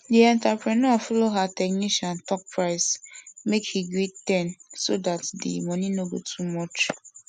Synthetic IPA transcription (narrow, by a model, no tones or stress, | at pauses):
diɛ̃ntapɾɛnɔfɔloɦatɛk̚niʃãntɔk̚pʰɹaɪsmekhiɡɾettɛ̃nsodatdḭmɔninoɡo̰tʰumɔt͡ʃ